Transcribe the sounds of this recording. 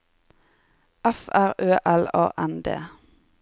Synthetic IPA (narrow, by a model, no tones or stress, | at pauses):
ʔæfæʁøːʔɛlɑ̰ːʔɛnd̪ḛː